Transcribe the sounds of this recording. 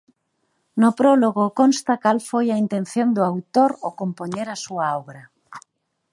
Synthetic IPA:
nʊpɾoloɣokonst̪akalfojaint̪en̟θjond̪ʊawt̪oɾokompoɲeɾasuaɔβɾa

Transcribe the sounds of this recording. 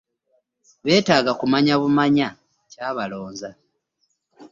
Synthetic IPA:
βe̞ːtaːɡakumaɲaβumaɲa | caːβalo̞ːnza

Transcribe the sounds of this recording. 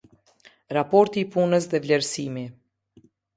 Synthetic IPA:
ɾapɔɾt̪iːpunəs̬ðɛvlɛɾsimi

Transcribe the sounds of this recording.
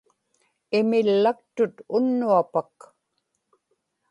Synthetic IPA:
ɪmɪlːak̚t̪ʊt̪ʊnːuapak

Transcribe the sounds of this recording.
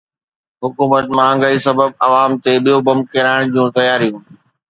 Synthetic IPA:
ɦʊkuːmət̪mãə̃ŋɡəisɐbəbɐʋaːmt̪eɓijobɐm̚keɾaːɪɽ̃d͡ʑũːt̪ɐjaːɾijũ

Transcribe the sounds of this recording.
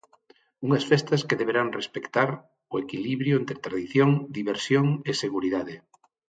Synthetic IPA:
uŋɐsfɛst̪ɐskeðeβeɾaŋrespekt̪aɾ | ʊekiliβɾjʊent̪ɾet̪ɾaðiθjoŋd̪iβeɾsjoŋeseɣuɾiðaðe

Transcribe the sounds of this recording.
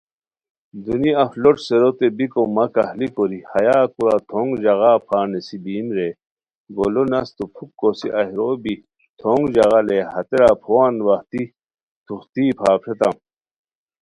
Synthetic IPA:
d̪uniɐfloʈseɾot̪ebikomɐkahlikoɾihɐjaːkuɾat̪ʰoŋɡd͡ʑɐɣaːpʰaːnesibiːmɾe | ɡolonɐst̪upʰukːosḭʔɐhɾobi | t̪ʰoːŋd͡ʑɐɣalehɐt̪eɾaːpʰowaːnwɐht̪i | t̪ʰuxt̪iːpʰaːpʰʂet̪am

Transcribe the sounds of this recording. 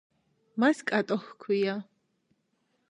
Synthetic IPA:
maskʼat̪ʼɔxkʰwija

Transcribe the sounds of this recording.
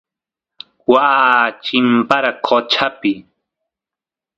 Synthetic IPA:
waːt͡ʃɪmpaɾakʰot͡ʃʰapɪ

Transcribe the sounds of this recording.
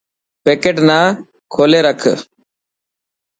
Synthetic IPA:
peːkeːʈnaː | kʰoːleːɾəkʰ

